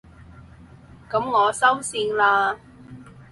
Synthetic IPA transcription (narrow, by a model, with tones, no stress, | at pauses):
kɐ˨˥mŋɔː˨˧sɐ˥wsiː˧nlaː˧